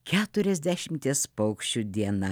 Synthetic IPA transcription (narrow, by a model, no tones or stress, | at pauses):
kʲæːt̪ʊɾʲɛzʲd̪ʲæʃʲɪmʲt̪ʲiɛspɐʊkʃʲt͡ʃʲud̪ʲiɛnɐ